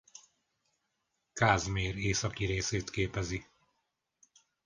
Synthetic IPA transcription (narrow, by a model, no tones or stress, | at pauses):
kaːzmeːreːsɒkiɾeːseːt̪keːpɛzi